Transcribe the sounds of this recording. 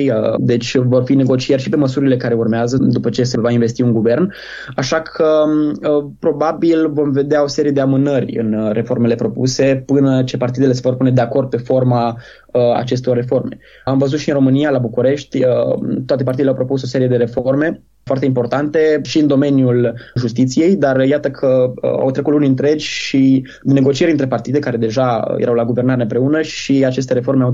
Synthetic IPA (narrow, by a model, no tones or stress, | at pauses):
jd̪e̞t͡ʃʲvo̞rfine̞ɡo̞t͡ʃierʲʃipe̞məsuɾile̞kaɾe̞urmeazəd̪upət͡ʃe̞se̞vainve̞st̪iunɡuve̞rn | aʃakʰəəpɾo̞babilvo̞mve̞d̪eao̞se̞ɾije̞d̪eamɨnərʲɨ̰nre̞fo̞rme̞le̞pɾo̞puse̞pɨnət͡ʃe̞part̪id̪ele̞se̞vo̞rpune̞d̪e̞ako̞rd̪̚pe̞fo̞rma | əa̰t͡ʃe̞st̪o̞rːe̞fo̞rme̞̰ | amvəzut̪ʃiɨnromɨnijalabukuɾe̞ʃt̪ʲət̪ːoat̪epaɾt̪id̪leawpɾo̞puso̞se̞ɾije̞d̪eɾe̞forme̞ | foart̪eimpo̞rt̪ant̪e̞ʃiɨnd̪o̞me̞njulʒust̪it̪sije̞jd̪arjat̪əkʰəa̰wt̪ɾe̞kut̪luniɨnt̪ɾe̞d͡ʒʲʃi | d̪inːe̞ɡo̞t͡ʃieɾʲiɨnt̪ɾe̞part̪id̪e̞kaɾe̞d̪e̞ʒajḛɾawlaɡuve̞rnaɾeɨmpɾe̞unəʃiat͡ʃe̞s̬t̪eɾe̞fo̞rɾmeaw